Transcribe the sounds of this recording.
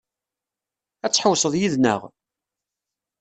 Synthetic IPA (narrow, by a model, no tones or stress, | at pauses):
æt͡sːħəwsˤəðˤjiðnə̰ʁ